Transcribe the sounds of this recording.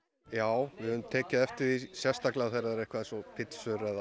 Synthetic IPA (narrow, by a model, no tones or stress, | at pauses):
jaːwvɪðʏðmt̪ʰɛːcaɛft̪ɪɾisjɛst̪aklaθɛjɾaðɛɾɛjhkvaðsɔpʰɪt̪sʏɾɛða